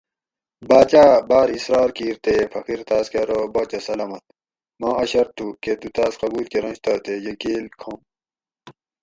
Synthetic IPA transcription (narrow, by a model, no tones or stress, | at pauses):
baːt͡ɕaːbaːɾisɾɑːɾkiːɾt̪efɐkiɾt̪aːskeɾobɐːt͡ɕɐsɐlɐmɐt̪ | mãːɐɕɐɾt̪ʰːuket̪ut̪aːsqɐɡuːɾkeɾɐ̃nɕt̪ɐt̪ejɐkeːlkʰom